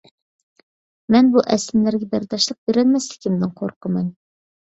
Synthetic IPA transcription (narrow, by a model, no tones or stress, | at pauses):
mɛnbuʔɛsɪmlæɾɡʲɛbæɾt̪ʰɑʃlˠəq̚beɾɛnmɛst̪ɪ̥kʲʰimd̪ɪŋqʰoɾqəmɨn